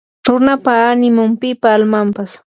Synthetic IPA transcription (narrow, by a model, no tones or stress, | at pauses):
ɾʊnapaːnɪmʊmpɪpaːlmampas